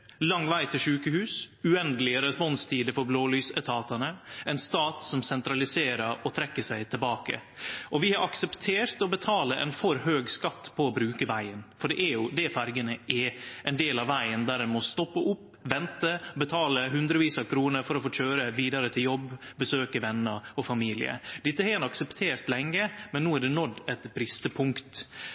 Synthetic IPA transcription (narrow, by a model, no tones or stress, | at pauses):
lɑŋːʋæɪt̪ʰɪlʂʉːkəhʉːsʉɛnd̪əlɪəɾɛspɔnst̪ʰiːd̪əfɔɾbloːlyːsɛt̪ʰɑːt̪ɑnəɛnst̪ɑːt̪sɔmsɛnt̪ɾɑlɪseːɾəɾɔt̪ʰɾɛkːəsæɪt̪ʰɪlbɑːkə̰ʔɔʋɪhɑɾɑksɛpt̪ʰeːɾt̪ɔbət̪ʰɑːləʔɛ̰nfɔɾhøːɡskɑt̪ːpʰɔːbɾʉːkəʋæɪənfɔɖɛʔæɾjʊd̪ɛfæɾɡənəʔɛʔɛnd̪eːlɑʋʋæɪənd̪æːɾɛnmɔst̪ɔpːəʔʊpː | ʋɛnt̪əbət̪ʰɑːləɦʉnd̪ɾəʋiːsɑkʰɾuːnəɾfɔɾɔfoːt͡ʃøːɾəʋiːd̪ɑɾət̪ʰɪljɔbːbəsøːkəʋɛnːəɾɔfɑmiːlɪ̰ə̰d̪ɪt̪ːəhɛɛnɑksəpt̪ʰeːɾt̪lɛŋːəmɛnːuːæɖɛnɔd̪ɛt̪bɾɪst̪əpʰʊŋkt̪